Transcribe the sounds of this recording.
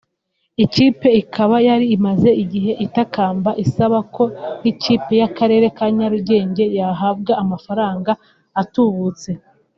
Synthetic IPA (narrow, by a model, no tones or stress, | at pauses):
iciːpe̞ikʰaβajaɾiːmaze̞ʔiɟiɦe̞ʔitakaːmbaʔisaβakʰo̞niciːpe̞jakaɾe̞ːɾe̞kaɲaɾuɟe̞ːɲɟe̞jaɦabɡaamafaɾaːŋɡaː | tuβut͡se̞